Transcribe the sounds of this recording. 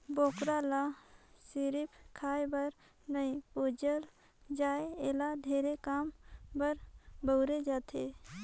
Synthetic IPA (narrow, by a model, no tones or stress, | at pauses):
boːkɾalasiɾipkʰaːebəɾ | nəĩpoːd͡ʒəl | d͡ʒaːeelad̪ʱeːɾekaːmbəɾbəʊɾed͡ʒaːt̪ʰe